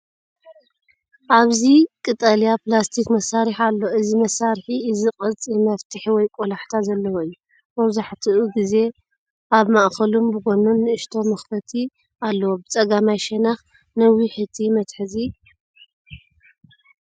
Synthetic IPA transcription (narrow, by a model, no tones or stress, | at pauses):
ʔaβzikʼɨt̪ʼalijaplast̪ʰikmɐsːaɾiħalːo̞ʔɨzimɐsːaɾħiɨziχʼɐt͡sʼimɐft̪ʰɨħiwɔjkʼolaħt̪ʰazɐlːɐwoɨjːu | bɐβzaħt̪ʰiʔuɡize̞ | ʔaβmaʔxɐlumbɨɡonunːɨɨʃt̪ʰo̞mɐxfɐt̪ʰi | alːɐwobɨt͡sʼɐɡamajʃɛnax | nɐwiħɨt̪ʰimɐt̪ħɨzi